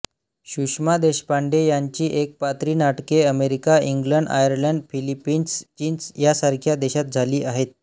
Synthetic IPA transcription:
ɕuʂmad̪eɕpaɳɖejaɲt͡ɕiːʔek̚pat̪ɾiːnaʈkeəmeɾikaiŋɡləɳɖa̰jəɾləɳɖfilipːiːnst͡ɕiːnsjasaɾkʰjad̪eɕat̪̚d͡zʱaliːʔaɦet̪̚

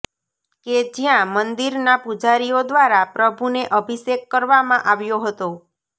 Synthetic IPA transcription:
ked͡ʒjãmənd̪iɾnapud͡ʒaɾijod̪ʋaɾapɾəbʱuneʔəbʱisekːəɾʋamãʔaʋjoɦət̪o

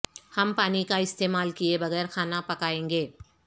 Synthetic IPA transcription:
hɐmpaːnikaɪst̪eːmaːlkiebɐɣɛːɾxʰaːnapɐkaːẽːŋɡeː

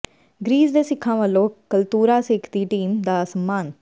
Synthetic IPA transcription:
ɡɾiːzd̪eːsɪkʰːãːʋəlːõːkəlt̪uːɾaːsɪkʰt̪iːʈiːmd̪aːsəmːaːn

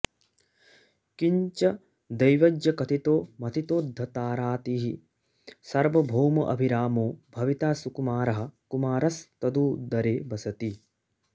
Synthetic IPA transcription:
kiɲt͡ʃɐ | d̪ɐjʋɐd͡ʒjɐkɐt̪ʰit̪oːmɐt̪ʰit̪oːd̪ʱːɐt̪aːɾaːt̪iːɦi | sɐɾʋɐbʱoːmɐʔɐ̰bʱiɾaːmoːbʱɐʋit̪aːsukumaːɾɐɦɐ̆kumaːɾɐst̪ɐd̪uːd̪ɐɾeːbɐsɐt̪i

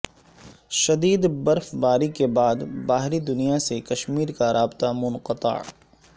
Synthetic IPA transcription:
ʃɐd̪iːd̪bɐɾfbaːɾikebaːd̪baːɦɾid̪ʊnijasekɐʃmiːɾkaɾaːbt̪amʊnqət̪ə̰ʕ

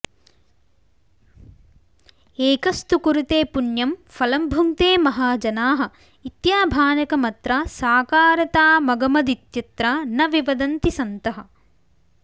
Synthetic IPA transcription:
eːkɐst̪ukuɾut̪eːpunjɐmfɐlɐmbʱumt̪eːmɐɦaːd͡ʒɐnaːɦɐ̆ | it̪jaːbʱaːnɐkɐmɐt̪ɾaːsaːkaːɾɐt̪aːmɐɡɐmɐd̪it̪jɐt̪ɾaːnɐʋiʋɐd̪ɐnt̪isɐnt̪ɐɦɐ̆

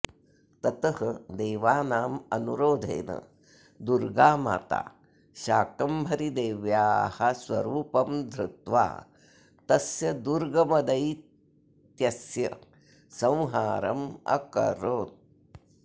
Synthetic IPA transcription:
t̪ɐt̪ɐhɐd̪eːʋaːnaːmɐnuɾoːd̪ʱɐ̰jnɐ̰ | d̪uɾɡaːma̰ːt̪a̰ː | ʃaːkɐmbʱɐɾid̪eːʋjaːhɐswɐɾuːpɐmd̪ʱɾɪt̪ʋa̰ː | t̪ɐsjɐd̪uɾɡɐmɐd̪ɐj | t̪jɐsjɐ | sɐ̃w̃ɦaːɾɐ̰mɐ̰kɐ̰ɾoːn

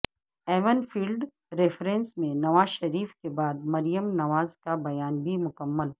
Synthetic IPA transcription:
ɛːʋənfiːlɖ | ɾefɾẽnsmẽnɐʋaːzʃɐɾiːfkebaːd̪̚mɐɾijəmnɐʋaːzkabɐjaːnbʱimʊkəmːəl

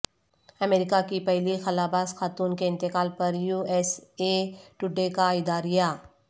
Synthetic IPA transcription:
ɐmeːɾɪkakipɛɦlixɐlaːbaːsxaːt̪uːnkeɪ̃nt̪ɪkaːlpɐɾjuːɛːseʈʊɖekaɪd̪aːɾɪja

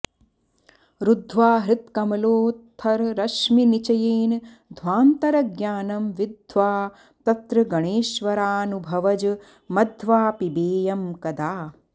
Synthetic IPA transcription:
ɾud̪ʱʋaːɦɾɪt̪kɐmɐloːt̪ʰɐɾɾɐʃminit͡ʃɐjeːn | d̪ʱʋaːnt̪ɐɾɐɡjaːnɐmʋid̪ʱʋaː | t̪ɐt̪ɾɐɡɐɳeːʃʋɐɾaːnubʱɐʋɐd͡ʒɐ | mɐd̪ʱʋaːpibeːjɐmkɐd̪aː

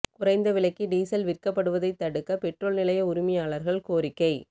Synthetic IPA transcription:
kʊrɐɪnd̪ɐʋɪɭɐɪkːiɖiːsɐlʋɪrkɐpːɐɽɯʋɐðɐɪt̪ːɐɽɯkːɐpɛʈroːlnɪlɐjɐʊɾɪmɐjaːɭɐɾɣɐɭkoːɾɪkːɐɪ

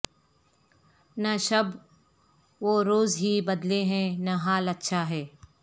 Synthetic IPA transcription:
nɐʃɐb | ʋoːɾoːzɦibɐd̪leɦɛ̃nɐɦaːlɐtːʃʰaɦɛː

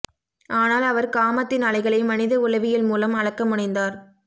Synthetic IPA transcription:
ʔaːnaːlɐʋɐɾkaːmɐt̪ːɪnɐlɐɪɣɐɭɐɪmɐnɪðɐʊlɐʋɪjɪlmuːlɐmɐɻɐkːɐmʊɳɐɪnd̪aːɾ

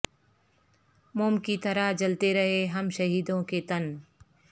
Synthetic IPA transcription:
mʊːmkit̪ɐɾad͡ʒɐlt̪eɾɐɦeɦɐmʃɐɦiːd̪õket̪ɐn

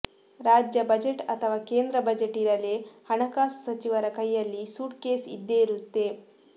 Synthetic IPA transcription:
ɾaːd͡ʒjɐbɐd͡ʒeʈɐt̪ʰɐʋaːkeːnd̪ɾɐbɐd͡ʒeʈiɾɐlehɐɳɐkaːsu̥sɐt͡ʃiʋɐɾɐkɐjːɐlːisuːʈkeːsḭd̪ːeːɾut̪ːe

